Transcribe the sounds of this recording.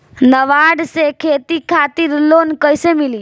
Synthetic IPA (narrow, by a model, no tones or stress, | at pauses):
nəʋaɖsekʰet̪ikʰat̪iɾlonkəjsemili